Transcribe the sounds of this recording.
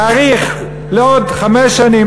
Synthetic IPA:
aʁiχ | leodχameʃani

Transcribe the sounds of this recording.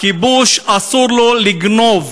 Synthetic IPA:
kibuʃasuɾloliɡnov

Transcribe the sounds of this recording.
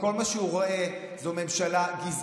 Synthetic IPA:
ko̞lmaʃeuʁo̞ʔe̞ | zome̞mʃalaɡiz

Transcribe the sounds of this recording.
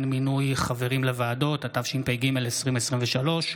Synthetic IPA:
nminujχave̞ʁimlevaːdo̞tatavʃimpejɡimelesʁimesʁimveʃalo̞ʃ

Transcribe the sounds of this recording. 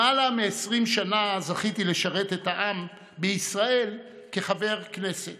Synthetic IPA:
alameesʁimʃanazaχit̪ileʃaʁe̞t̪et̪aʔam | beisʁae̞l | ke̞χave̞ʁkne̞set

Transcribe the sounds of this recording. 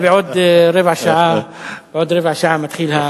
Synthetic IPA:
beod̪ɾevaʃaa | b̥eod̪ɾevhaʃaamat̪χilha

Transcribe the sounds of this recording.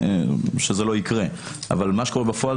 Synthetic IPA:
ʃezelo̞ikʁe | a̰valmaʃeko̞ebefoa

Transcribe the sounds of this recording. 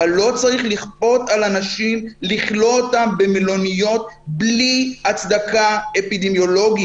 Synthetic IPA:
alo̞t͡saʁiχliχpo̞t̪alanaʃimliχlo̞otambemilo̞nijo̞t̪̚bliat͡sd̪akaepid̪emjo̞lo̞ɡi

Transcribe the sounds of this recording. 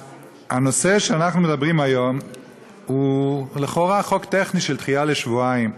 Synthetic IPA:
a̰no̞se̞ʃeanaχnume̞dabʁimajo̞m | huleχoʁaχo̞kt̪eχniʃelt̪χiale̞ʃvuaim

